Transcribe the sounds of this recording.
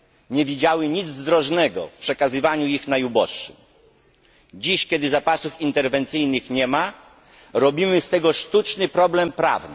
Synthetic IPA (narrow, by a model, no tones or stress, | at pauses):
ɲɛvʲid͡ʑawɘɲid̪zzd̪ɾɔʐnɛɡɔ̰fpʂɛkazɘvaɲuixnajubɔʂːɘm | d͡ʑiɕkʲjɛd̪ɘzapasufint̪ɛɾvɛnt̪sɘjnɘxɲɛma | ɾɔbʲimɘst̪ɛɡɔʂt̪ut͡ʂnɘpɾɔblɛmpɾa̰vnɘ